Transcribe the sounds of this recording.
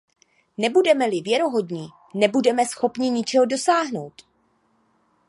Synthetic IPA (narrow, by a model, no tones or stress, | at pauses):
nɛbudɛmɛlɪvjɛɾo̞ɦo̞dɲi | nɛbudɛmɛsxo̞pɲɪɲɪt͡ʃɛɦodo̞saːɦno̞wt̪